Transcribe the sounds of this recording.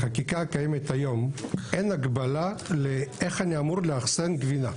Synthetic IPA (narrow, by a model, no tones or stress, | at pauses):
χakikakajemet̪ajo̞mʔenaɡbalaleʔeχaniamuʁleaχsenɡvina